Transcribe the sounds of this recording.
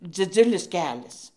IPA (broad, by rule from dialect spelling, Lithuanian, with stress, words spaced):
d͡zʲɪˈd͡zʊlʲɪs ˈkʲæːlʲɛs